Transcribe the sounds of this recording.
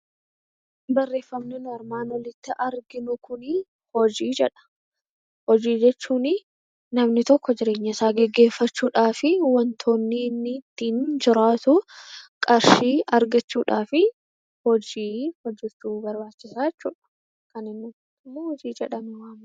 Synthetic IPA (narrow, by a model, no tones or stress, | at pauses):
bɐrːe̞ːfːɐmnɪnʊɐɾmaːnwɐlɪt̪ːɪʔɐɾɡɪnʊkʊnɪ | hɔd͡ʒiːd͡ʒɛᶑɐ̥ | hɔd͡ʒiːd͡ʒɛt͡ʃːuːnɪ | nɐmnɪt̪ɔkːɔd͡ʒɪɾe̞ːɲːɐsaːɡɛɡːe̞ːfːɐt͡ʃːuːᶑaːfɪwɐnt̪ʰo̞ːnːɪnːɪt̪ːiːnd͡ʒɪɾaːt̪ʊkʼɐɾʃiːɐɾɡɐt͡ʃːuːᶑaːfɪ | hɔd͡ʒiːhɔd͡ʒːɪɾt̪uːbɐɾbaːt͡ʃːɪsaːɛt͡ʃːṵːᶑɐ̥ | kɐnɪnːʊ | t̪ːɪmːohɔd͡ʒiːd͡ʒɛᶑɐmʊwaːm